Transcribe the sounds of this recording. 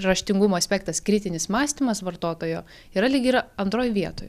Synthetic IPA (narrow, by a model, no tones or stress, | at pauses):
ɾɐʃʲt̪ʲɪŋɡʊmoːɐsʲpʲɛk̚t̪ɐskɾʲɪt̪ʲɪnʲɪsmɑːsʲt̪ʲimɐsʋɐɾt̪oːt̪oːjoː | iːɾɐlʲɪɡʲɪɾɐɐnt̪ɾoːjʋʲiɛt̪oːj